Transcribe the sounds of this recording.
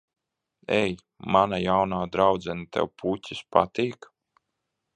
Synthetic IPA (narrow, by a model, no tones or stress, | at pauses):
ɛj | manajawnaːd̪ɾawd̪zɛnat̪ɛ̰wpʰutʲispa̰t̪iːk